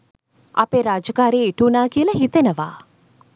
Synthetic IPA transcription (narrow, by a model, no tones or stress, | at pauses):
a̰peɾaːd͡ʒəkaːɾeːiʈuːnaːkiəlɐɦit̪enəʋaː